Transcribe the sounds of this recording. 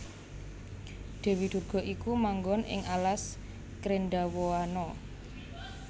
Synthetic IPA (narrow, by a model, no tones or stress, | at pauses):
ɖ̪̥e̤wid̪̥ṳrɡ̥ɔ̤ʔikumaŋɡɔnɪ̰ŋalas | kɾenɖawoanɔ